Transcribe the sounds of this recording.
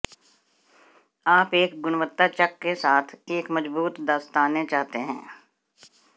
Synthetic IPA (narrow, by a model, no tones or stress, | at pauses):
aːpeːkɡʊnʋət̪ːat͡ʃɐkːesaːt̪ʰeːkmɐd͡ʒbuːt̪d̪aːst̪aːnet͡ʃaːɦt̪eɦɛ̰̃ː